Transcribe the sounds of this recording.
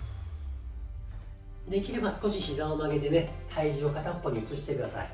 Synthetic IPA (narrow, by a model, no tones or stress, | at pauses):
d̪e̞kʲiɾe̞basɨ̥ko̞ɕiçizãomaɡe̞d̪e̞me̞t̪ʰaiʑio̞kat̪apːo̞ɲ̟iɯt͡sɨɕi̥t̪ekɯ̟d̪asa̰ḭ